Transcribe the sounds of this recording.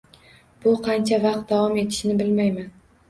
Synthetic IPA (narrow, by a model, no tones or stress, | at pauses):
b̥ʊqʰɑnt͡ʃʰavɑq̚t̪̚d̪avɒme̞t̪ʰɪ̥ʃnɪbɪlmajman